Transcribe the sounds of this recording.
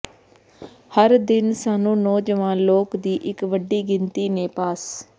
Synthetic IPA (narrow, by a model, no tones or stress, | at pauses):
həɾd̪ɪnsaːnũːnɔːd͡ʒəʋãːnloːkd̪iːʔɪkʋəɖiːɡɪnt̪iːneːpaːs